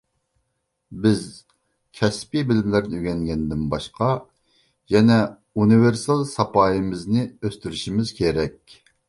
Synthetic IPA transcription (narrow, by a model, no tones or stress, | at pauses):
bɪz | kʲʰɛspibɪlɪmlæɾnɪyɡʲɛŋɡʲɛnd̪ɪnbɑʃqɑ | jɛnɛ | unɨveɾsɑlˠsɑpɑːjimɪznɪøst̪yɾyʃimɪz̥kʲʰeɾɛkʲ